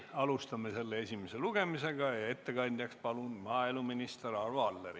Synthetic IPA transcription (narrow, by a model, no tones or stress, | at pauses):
ɑlust̪ɑmese̞lːeesʲimese̞luɡ̥e̞mise̞ɡ̥ɑjɑe̞t̪ːekɑnʲd̪̥ʲjɑkspɑlunmɑːeluminist̪erɑrvɑlːeɾi